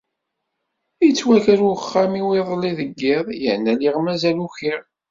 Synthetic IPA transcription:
jit͡sːwækɾuχːamiwiðˤlːiðəɡːɪðˤjəʕnːæliʁmæzæluçiʁ

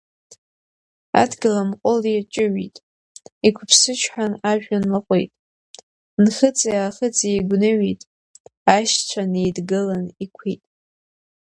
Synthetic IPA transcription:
a̰dɡɨlamqʷʼʊlit͡ʃʼɪɥitʼ | ikʷʰʊpʰsɨt͡ʃʷʰħanaʒᶣanlaqʷʼejtʼ | nχət͡sʼajaːχət͡sʰʼijɡʷnɨɥitʼ | aʃt͡ɕʷʰanejdɡɨlanikʷʰitʼ

